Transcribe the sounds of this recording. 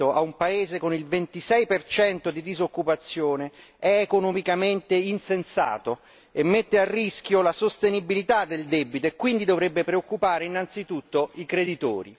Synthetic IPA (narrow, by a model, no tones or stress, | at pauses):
oa̰umpaeːzekonilvent̪isɛjpert͡ʃɛnt̪od̪id̪izokːupat̪sːjoːneɛːkonomikament̪einsensa̰ːt̪o | emːet̪ːearːisk̟jolasost̪enibilit̪ad̪eld̪ɛbːit̪oekːwind̪id̪ovɾebːepɾeokːupaːɾeinːant̪sit̪ut̪ːoikɾed̪it̪o̰ːɾḭ